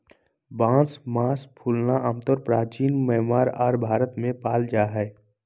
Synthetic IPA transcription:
bãːsmaːspʰuːlnaʔəmt̪əɾpɾaːt͡ʃiːnmɛɦmaːɾaːɾbʱaːɾət̪mẽpaːld͡ʒaːɦɛː

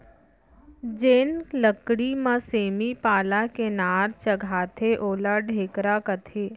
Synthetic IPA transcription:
d͡ʒeːnkləkɽimãseːmipaːlakenaːɾt͡ʃɐɡʱaːt̪ʰeʔoːlaɖʱeːkɾakət̪ʰeː

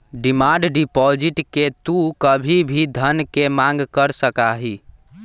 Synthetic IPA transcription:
ɖimãɳɖɖipɔd͡ʒiʈket̪ukəbʱibʱid̪ʱənkemãŋɡkəɾsəkaɦi

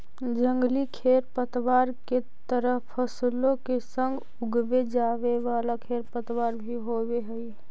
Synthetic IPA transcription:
d͡ʒə̃ŋɡlikʰeːɾpət̪waːɾke | t̪əɾəpʰːəslõkesə̃ŋɡ | ʊɡʋed͡ʒaːʋeʋaːlakʰeːɾpət̪waːɾbʱiɦobeɦəi

